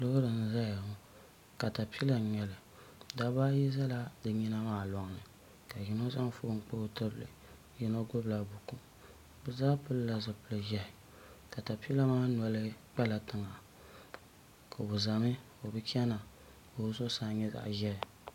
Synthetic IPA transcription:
lɨ˦hʊ˦dɨ˨n̩˦za˦ja˨hʊ˦ | ka˨ta˨pi˦la˨ɲɛ˨lɨ˨ | da˨baː˦ji˦za˦la˦dɨ˨ɲi˦na˦maː˦˨lɔ˨ŋ˨nɨ˨ | ka˨ji˨no˦za˦ŋ˦fo˦ŋ̩˨k͡po˦˨tɨ˦blɨ̰˨ | jɛ˦no˦ɡʊ˦bla˨bʊ˨ku˦ | bɨ˨za˦pɨ˦lla˨zɨ˨pɨ˦lɨ˨ʒɛ˦ɪ˨ | ka˨ta˨pi˦la˦maː˦nɔ˨lɨ˦k͡pɛ˦la˨tɨ˨ŋa˨ | kʰa˨bʊ˨za˨mɨ˦ | o˨bɨ˦kɛ˦na˨ | o˨˦so˦saː˦˨ɲɛ˦za̰˨ʔʒɛ˦ɪ˨

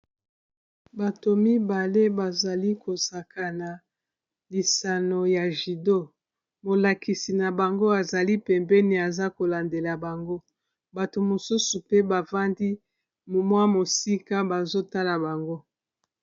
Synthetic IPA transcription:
ba˨to˨mi˦ba˨le˦ba˨za˨li˦ko˨sa˨kʰa˨na˨ | li˨sa˨no˨ja˨ʒi˨do˦ | mo˨la˨kʰi˨si˨na˨ba˨ŋɡo˦a˨za˨li˦pɛ˨mbɛ˦ni˨a˨za˦ko˨la˨nde˨la˨ba˨ŋɡo˦ | ba˨to˨mo˨su˦su˨pe˦ba˨va˦ndi˦˨ | mwa˦mo˨si˦ka˦ba˨zo˦ta˦la˨ba˨ŋɡo˦

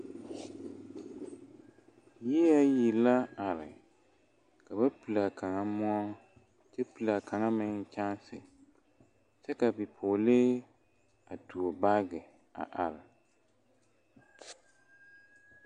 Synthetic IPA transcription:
jɛ˦ja˦ji˨la˦a˨ɾɪ̰˨ | ka˨ba˦pi˨la˨kʰa˨ŋa˦mɔ˦ɔ˦ŋ | t͡ʃɛ˦pu˨la˨kʰa˨ŋa˦mɪ˦ŋt͡ʃa˦n˦sɪ̰˨ | t͡ʃɛ˦ka˨bi˨pʰʊː˨le˦ | a˨tu˨o˨ba˦ɡɪ˨ | a̰˨ʔa˨ɾɪ˨

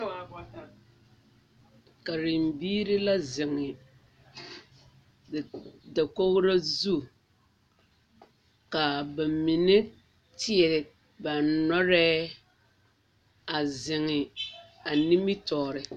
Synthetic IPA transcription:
ka˨ɾɪ˨mbiː˦ɾɪ˦la˦zɪ˨ŋɪ˨ | da˨ko˦ɣʊ˦ɾa˦zu˦ | ka˨ba˨mi˨ne˦ | tʰɪ˦ɛ˨ | ba˨nɔ˦ɾɛː˦ | a˨zɪ˨ŋɪ˨ | a˨ni˦mi˦tɔː˨ɾɪ˨

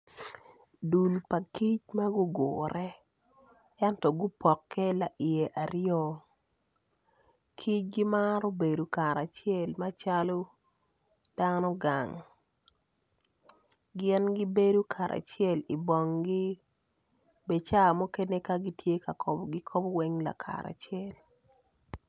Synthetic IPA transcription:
du˨lpa˨ki˦t͡ʃma˦ɡu˦ɡoːɾʔɛ˦ | ɛ˦ntɔ˨ɡʊ˦pɔ˨kʰːɛ˦la˨ʔi˨e˨ʔa˨ɾɪɔ˦ | kʰi˦t͡ʃ̚ɡi˦ma˦ɾo˦be˨do˨ka˨ɾa˨t͡ʃɪɛ˦˨lma˦t͡ʃa˦lo˦ | d̥a˦nɔ˦ɡa˨ŋ | ɡɪ˦nɡi˦be˦do˦kʰa˨ɾʔa̰˨t͡ʃɛ˦˨li˨bɔ˨ŋɡi˦ | be˨t͡ʃa˦˨mo˦ke˦ne˦ka˦ɡi˦tʰje˦ka˨kɔ˨bɡi˦kʰɔ˦bwɛ˦ŋla̰˨kʰa̰˨ɾa̰˨t͡ʃjɛ˦l

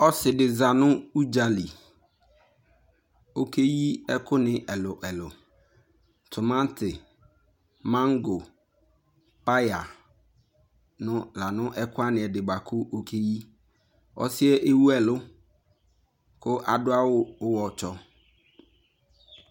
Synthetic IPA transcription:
ɔ˦sɪ˨dɪ˨za˨nʊ̃˦u˦d͡ʒa˨li˨ | o˦kʰe˦ji˦ɛ˦kʊ˦nɪ̃˨ʔɛ˨lʊ˨ʔɛ˨lʊ˨ | tʰʊ˨mã˦tʰɪ˨ | mã˦ŋɡo˨ | pa˦ja˨ | nʊ̃˦la˨nʊ̃˦ʔɛ˦kʰʊ˦a˦nɪ̃˨ɛ˨dɪ˨ɡ͡ba˨kʰʊ˦ʔo˦kʰe˦ji˦ | ɔ̰˦sɪ˦ɛ˦ʔe˦wu˦ɛ˨lʊ˦ | kʰʊ˦ʔa˨dʊ˦a˦wʊ˦ʊ˦wɔ˨t͡ʃɔ˦

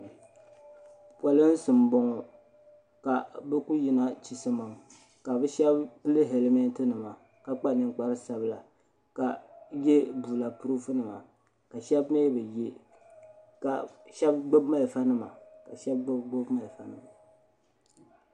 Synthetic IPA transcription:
pwa˨lɨ˦n̩˦sɨ˨m˨bɔ˨ŋɔ˨ | ka˨bɨ˦ku˦ji˨na˦t͡ʃi˨sɨ˦ma˨m˨ | ka˨bɨ˦ʃɛ˦bpɨ˦lɨ˦ɦɛ˨lme˦n˦tɨ˦nɨ˨ma˨ | ka˨k͡pa˦nɨ˨ŋ˦k͡pa˦ɾɨ˦sa˦bɨ˦la˨ | ka˨je˦buː˨la˨pu˦ɾu˦fɨ˦nɨ˨ma̰˨ | ka˨ʃɛ˦bme˦bɨ˨je˦ | ka˨ʃɛ˦b̚ɡ͡bo˦bma˦lfa˦nɨ˦ma̰˨ka˨ʃɛ˦b̚ɡ͡bɡ͡bo˦bma˨lfa˦nɨ˨ma˨

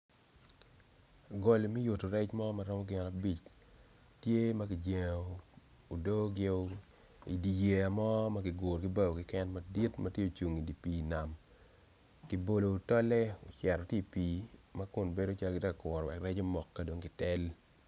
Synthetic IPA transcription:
a˨ɡo˨li˨mi˦jʊ˨to˨ɾɛ˦t͡ʃmɔ˦ma˨ɾɔ˦mɔ˦ɡɪ˦˨na˨bi˦t͡ʃ | tje˦ma˦ki˨d͡ʒe˨ŋo˨ | o˨do˦ɡɪ˦o˦ | ḭ˨di˨je˨a˨mɔ˦ma˦kɪ˨ɡʊ˨ɾkɪ˦ba˦ɡo˨kɪ˦kɛ˦nma˦di˦tmɐ˦tje˦o˨t͡ʃu˨ŋi˨di˨piː˨na˨m | ki˨bo˨loː˨tɔ˦lɛ˦o˨t͡ʃɛ˨ɾɔ˨tje˦˨piː˨˦ma˦kʊ˨nbe˦do˦t͡ʃa˦lɡɪ˦tɛ˦ka˨kɔ˨ɾɔ˨wɛ̰˨kɾɛ˦t͡ʃo˦mɔ˨kːa˦do˨ŋkɪ˨tɛ˦l

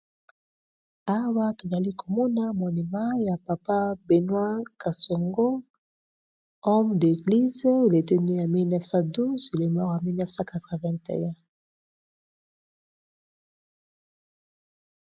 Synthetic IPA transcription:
a˦wa˦ke˨za˨li˦kʰo˨mɔ˦na˦mo˨ni˨ma˦ja˨pa˨pa˦be˨nwa˦ka˨so˨ŋɡo˦ | ɔ˦mde˨ɡli˦ze˦e˨le˨te˦ni˦ja˨mi˦lnɛ˦fsã˦du˦ze˨le˨ma˦˨a˨mi˦lnɛ˦fsã˦ka˨tʁa˨vɛ̃˦ntḛ˨jɛ̃˦

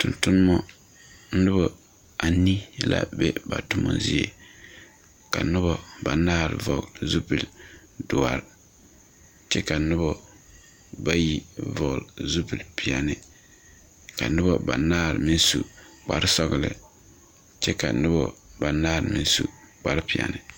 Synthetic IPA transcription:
tʊ˨ntʊ˦n˦mɔ˦ | n̩˦nʊ˦bɔ˨ | a˨ni˦la̰˦be˦ba˨tʊ˦mɔ̰˦zi˦e˦ | ka˨˦nʊ˦bɔ˦ba˨naː˦ɾvɔ˨ɡzu˦pi˨l | dʊ˨a˨ɾ | t͡ʃɛ˦ka˨˦nʊ˦bɔ˦ | ba˦ji˦vɔ˨ɣlzu˦pi˨lpi˨a˨nɨ˨ | ka˨˦nʊ˦bɔ˦ba˨naː˦ɾɨ˨mi˦n˦su˨k͡pa˨ɾsɔ˦ɣɨ˨lɨ̰˨ | t͡ʃɛ˦ka˨nʊ˦bɔ˦ba˨naː˦ɾɨ˨mɪ˦n˦sṵ˦˨k͡pa˨ɾpi˨a̰˨nɨ˨

